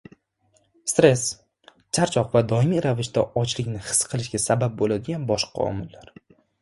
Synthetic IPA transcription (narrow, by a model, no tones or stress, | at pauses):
st̪ɾe̞s | t͡ʃʰaɾt͡ʃʰɒqvad̪ɒɪmiɾavɪʃd̪aɒt͡ʃʰlɪkʲnɪhɨ̥sqʰɨlˠɪʃɡʲasabap̚bolad̪ɪɡʲanbɒʃqʰɑ̰ɒ̰mɪlːaɾ